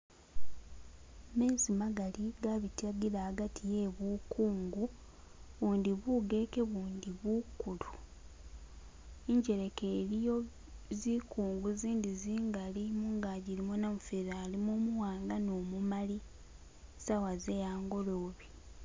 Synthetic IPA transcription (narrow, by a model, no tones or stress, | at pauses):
me̞ːzimaɡaliɡaβitaɡilaːɡatije̞ːβuːkuːŋɡu | βuːndiβuɡe̞ke̞βuːndiβukːulu | iɲɟe̞ɾe̞ke̞ːɾijo | zikuːŋɡuziːndiziːŋɡalimuŋɡaɟiɾimonamufeɾaːlimoːmuwaːŋɡanoːmumali | sawaze̞jaːŋɡo̞loːβi